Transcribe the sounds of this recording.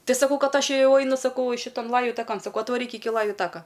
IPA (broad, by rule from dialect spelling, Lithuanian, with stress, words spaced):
ˈtɐɪ sɐˈkɐʊ ˈkɐt ˈɐʃ ˈjɛʊ ˈɐɪnʊ sɐˈkɐʊ ˈʃʲɪtɐn ˈlˠɑːjʊ tɐˈkɐn sɐˈkɐʊ ɐtʋɐˈrʲiːk ˈɪkʲɪ ˈlˠɑːjʊ ˈtɑːkɐ